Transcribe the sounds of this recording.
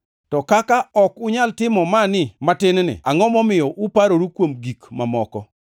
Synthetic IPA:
tɔkakaɔkʊɲaltɪmɔmanɪmatɪnnɪ̰aŋɔmɔmɪjɔʔʊpaɾoɾukwomɡikmamɔkɔ

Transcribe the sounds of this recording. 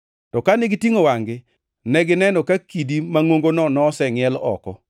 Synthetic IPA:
tɔkanɪɡitiŋowaŋɡɪ | nɛɡɪnɛnɔkakidimaŋwoŋɡonɔnɔsɛŋɪɛlɔ̰kɔ

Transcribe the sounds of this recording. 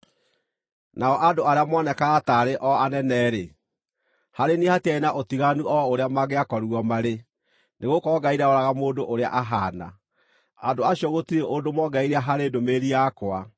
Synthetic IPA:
naɔʔadoaɾeamɔnɛkaːtaɾeʔɔanɛnɛːɾe | haɾenihatiaenaʔotiɣanuɔoɾeamaɣeakɔɾuɔmaɾe | neɣokɔːɡaiɾaoɾaɣamoːdoʔoɾea̰ʔaɦaːna̰ | adoaɕiɔɣotiɾeʔodomɔɡaiɾaɦaɾedomeɾiakwa

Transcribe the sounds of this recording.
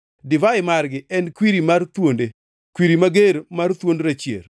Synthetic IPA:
dɪvaɪmarɡɪʔɛnkwiɾimart̪wonde | kwiɾimaɡeɾmart̪wondɾat͡ʃjḛr

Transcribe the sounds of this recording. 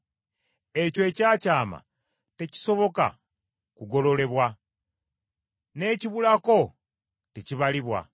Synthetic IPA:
e̞coecaːcaːma̰ | te̞ci̥so̞βo̞ka̰ | kuɡo̞lo̞le̞βwa | ne̞ciβulako̞ | teciβaliβwa̰

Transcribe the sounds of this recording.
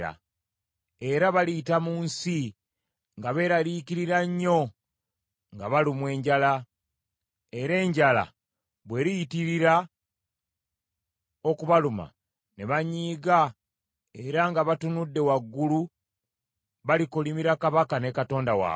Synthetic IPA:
a̰ | e̞ɾaβaliːtamuːnsi | ŋɡaβe̞ɾalikiɾiɾaɲːo̞ | ŋɡaβalimwe̞ːɲɟala | e̞ɾe̞ːɲɟala̰ | βwe̞ɾijitiɾiɾa | okuβaluma̰ | ne̞βaɲiːɡa | e̞ɾaŋɡaβatunudːe̞waɡːulu | βalikolimiɾakaβakane̞kato̞ːndawa̰ː

